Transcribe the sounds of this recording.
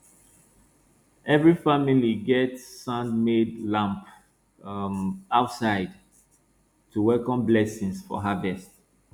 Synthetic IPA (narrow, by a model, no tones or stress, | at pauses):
ʔɛvɹifamiliɡɛtsãnmedlãmp | aʊtsaɪd | tʰuwɛkɔ̃mblɛsĩŋsfɔ̰ɦavɛst̚